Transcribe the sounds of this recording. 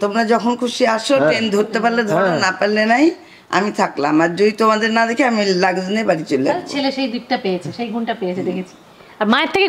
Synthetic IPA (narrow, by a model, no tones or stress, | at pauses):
t̪omɾad͡ʑɔkʰonkʰuʃiaʃoʈɾend̪ʱoɾt̪ːepaɾled̪ʱɔɾnapaɾlenaj | a̰mit̪ʰaklamaɾd͡ʑod̪it̪omad̪eɾnad̪ɛkʰeamilaɡznebaɽit͡ɕolːeaaɾt͡ɕʰeleʃejd̪ik̚ʈapejet͡ɕʰeʃejɡʱunʈapejet͡ɕʰed̪ekʰet͡ɕʰi̥ | aɾmaeɾt̪ʰeke